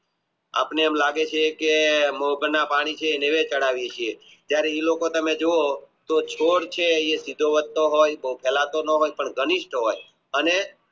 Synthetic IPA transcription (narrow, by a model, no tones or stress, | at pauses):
a̰pneɛmlaɡet͡ʃʰekemoɦbənapaɽ̃it͡ʃʰeːneʋet͡ʃəɽaʋiet͡ʃʰie | t̪jaɾeilokot̪əmed͡ʒoot̪ot͡ʃʰoɽt͡ʃʰeesid̪ʱoʋət̪ːoɦojbəɦupʰɛlat̪onəɦojpəɳɡəniʃʈɦoj | əne